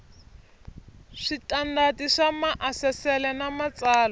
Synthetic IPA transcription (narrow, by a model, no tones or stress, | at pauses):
ʂitʼandatiʂamaʔasɛsɛlɛnamat͡saːla